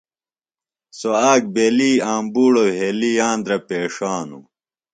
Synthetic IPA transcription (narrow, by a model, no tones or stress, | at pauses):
soaːk̚beːliːaːmbuːɽoːɦeːlijaːnd̪ɾɐpeːʂaːnṵ